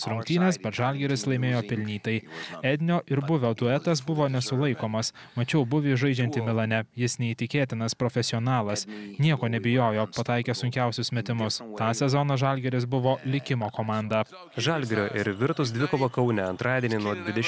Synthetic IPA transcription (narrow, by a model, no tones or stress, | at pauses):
sɾʊ̃ŋk̚t̪ʲiːnʲɛsbʲɛt̪ʒɑlʲɡʲɛɾʲɪslˠɐɪmʲeːjoːpʲɪlʲnʲiːt̪ɐɪɛd̪ʲnʲoːʔɪɾbʊʋʲoːd̪ʊɛt̪ɐs̬bʊʋoːnʲɛsʊlˠɐɪkoːmɐs | mɐt͡ʃʲɛʊbʊʋʲiːʒɐɪd͡ʒʲɛnʲt̪ʲɪmʲɪlˠɐnʲɛjɪsnʲɛiːt̪ʲɪkʲeːt̪ʲɪnɐspɾɔfʲɛsʲɪɔːnɑːlˠɐsnʲiɛkoːnʲɛbʲɪjoːjoːpɐt̪ɑɪkʲɛsʊŋʲkʲæˑʊsʲʊsmʲɛt̪ʲɪmʊst̪ɑːsʲɛzɔnɐʒɑˑlʲɡʲɛɾʲɪs̬bʊʋoːlʲɪkʲɪmoːkomɑˑnd̪ɑː | ʒɑlʲɡʲɾʲoːʔɪɾʋʲɪɾt̪ʊs̬d̪ʋʲɪkoːbokɐʊnʲɛɐ̃nt̪ɾɑːd̪ʲiɛnʲinuɔd̪ʲʋʲɪd̪ʲɛ